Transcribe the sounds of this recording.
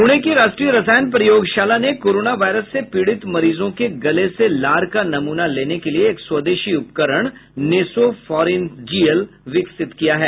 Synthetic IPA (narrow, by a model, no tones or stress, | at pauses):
ɦuɽ̃ekiɾaːʃʈɾiəɾɐsaːjnpɾɐjoːɡʃaːlanekoːɾoːnaʋaːɪɾəsːepiːɽɪt̪mɐɾiːzõkeɡɐleselaːɾkanɐmuːnaleːnekelieːkswɐd̪eːʃiʊpkəɾəɽ̃neːsofɔːɾend͡ʒiːəl | ʋɪksɪt̪kijaɦɛː